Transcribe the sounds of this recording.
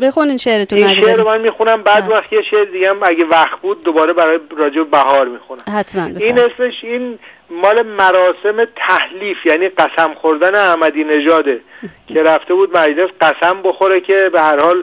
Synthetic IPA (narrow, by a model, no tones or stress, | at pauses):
bexuninʃeʔɾet̪ʰoimnʃeʔʔɾomænmiːxunæmbæːd̪unvæxt̪jeʃeʔɾid̪iɡæmæɟevæxt̪̚buːd̪̚ːobɒːɾe̞bæɾɒːjeɾɒːd͡ʒe̞bebæɦɒːɾmiːxunæmhæt̪ʰmænbiːne̞sme̞ʃiːn | mɒːle̞mæɾɒːse̞me̞t̪ʰæhliːfjæːniːɢæsæmxoɾd̪æneæhmæd̪iːne̞ʒɒːd̪ecʰeɾæft̪e̞buːd̪̚mæd͡ʒlesɢæsæmbo̞xo̞ɾecʰe̞behæɾhɒːl